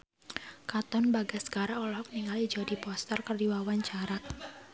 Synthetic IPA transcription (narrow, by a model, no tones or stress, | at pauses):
kat̪ɔnbaɡasə̥kaɾaɔlɔɔk̚niŋalid͡ʒɔdipɔst̪ərkərdiwawaɲt͡ʃaɾaʔ̚